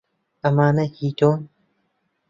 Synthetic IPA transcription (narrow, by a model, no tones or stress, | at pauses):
ɐmaːnahiton